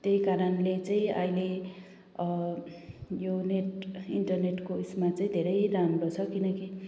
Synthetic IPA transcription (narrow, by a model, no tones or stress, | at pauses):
t̪jejkaɾʌnlet͡saĩa̰jle | joneʈiɳʈʌrneʈkoismat͡saĩd̪ʱeɾʌjɾamɾot͡sʰʌkinʌki